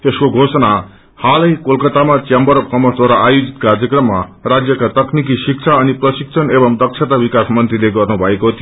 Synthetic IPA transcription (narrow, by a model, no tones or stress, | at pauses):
eskoɡʱosʌna | halʌjkolkʌt̪amat͡sjambʌɾʌb̚kʌmʌsd̪waɾaʔajod͡zit̪̚kard͡zjʌkrʌmːarad͡zjʌkat̪ʌknik̬isik̚t͡sʰaʌniprʌsik̚t͡sʰʌnebʌmd̪ʌksʰet̪abikasmʌnt̪rileɡʌrnubʱʌekot̪ʰijo